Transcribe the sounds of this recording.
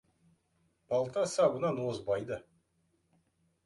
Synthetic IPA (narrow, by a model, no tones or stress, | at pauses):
b̥ɑlˠt̪ɑsɑbənɑnwozbɑjd̪ə